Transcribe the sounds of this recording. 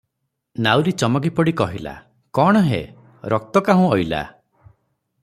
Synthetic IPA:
nawɾit͡ʃɔmɔkipɔɽikɔɦila̰ | kɔɽ̃ɔɦḛ | ɾʔɔk̚t̪ɔkaɦũɔjla̰

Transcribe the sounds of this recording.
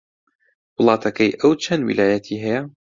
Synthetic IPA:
wʊlˠɑːt̪ʰɐkɐjʔɐwt͡ʃʰɐnwḭlaːjat̪ʰiːɦɐja

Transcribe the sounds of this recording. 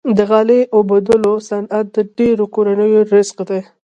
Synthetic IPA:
d̪əɣɑleʔobad̪əlosanat̪̚d̪əɖeɾokoɾanəjoɾɪzqd̪e

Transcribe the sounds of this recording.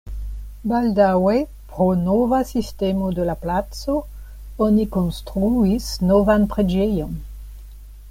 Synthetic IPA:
baldawe | pɾonovasistemodelaplat͡so̞ | onikonstɾuisnovanpɾe̞d͡ʒejo̞n

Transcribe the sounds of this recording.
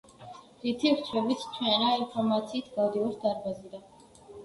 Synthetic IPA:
ɾit̪ʰiɾt͡ʃʰɛbit̪sʰt͡ʃʰwɛnainpʰɔɾmat̪sʰiːt̪ʰɡavd̪ivuɾsd̪aɾbazid̪a

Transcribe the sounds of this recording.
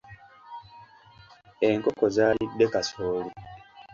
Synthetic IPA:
eŋkokozaːlidːe̞kasoːli

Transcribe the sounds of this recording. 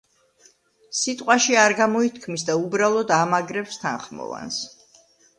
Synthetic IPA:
sit̪ʼqʼwaʃiaɾɡamɔit̪ʰkʰmisd̪aubɾalˠɔd̪amaɡɾɛpst̪ʰa̰nχmɔ̰va̰ns

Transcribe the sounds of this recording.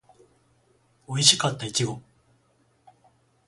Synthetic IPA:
o̞iɕi̥kat̪ːaikʲiɡo̞

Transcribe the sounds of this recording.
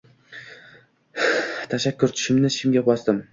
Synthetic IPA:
t̪ʰaʃakʲːʊɾt̪ʰʊ̥ʃɪmnɪʃɪmɡʲapbɒsd̪ɪm

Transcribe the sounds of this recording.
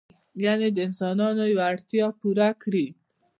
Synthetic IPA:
janed̪əɪnsɑnɑnojwaɽt̪jɑpuɾakɽi

